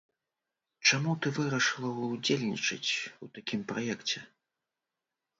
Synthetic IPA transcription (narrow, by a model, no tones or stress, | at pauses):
t͡ʂamut̪ɨvɨɾɐʂɨlˠɐwd͡zʲelʲnʲḭt͡ʂɨ̰t͡sʲut̪akʲimpɾajɛkt͡sʲɛ